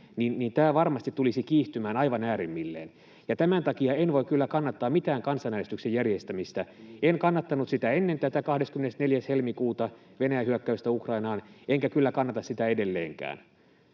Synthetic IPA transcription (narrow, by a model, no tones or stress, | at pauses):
ninnint̪æːʋɑrmɑst̪it̪tːulisikiːht̪ymæːnɑiʋɑnæːɾimːilːḛːn | jɑt̪æmænt̪ɑkiɑenʋoikylːækɑnːɑt̪ːɑːmit̪æːŋkɑnsɑnænest̪yksejjærjest̪æmist̪æenkɑnːɑt̪ːɑnut̪sit̪æenːent̪æt̪ækɑhdeskymenesneljæshelmikuːt̪ɑ | ʋenæjæhyøkːæyst̪æukrɑinɑːneŋkækylːækɑnːɑt̪ɑssit̪æedelːḛːŋkæ̰ːn